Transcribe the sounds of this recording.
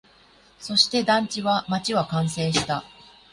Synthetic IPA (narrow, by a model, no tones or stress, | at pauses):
so̞ɕi̥t̪e̞d̪ãɲ̟t͡ɕiβamat͡ɕiβakãɰ̃se̞ːɕi̥t̪a